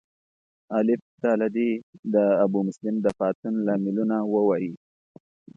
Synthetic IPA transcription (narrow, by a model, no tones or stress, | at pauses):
alɪft̪alad̪id̪əːbumʊslɪmd̪əxɑt̪unlɑmɪlunawəwɑji